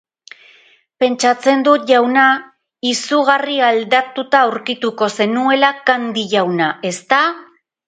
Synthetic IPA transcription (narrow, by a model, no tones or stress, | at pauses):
pe̞nt͡ʃat͡se̞nd̪uʝawna | isuɣariald̪at̪ut̪aːwɾkit̪uko̞se̞nue̞lakand̪iʝawnaʔe̞st̪a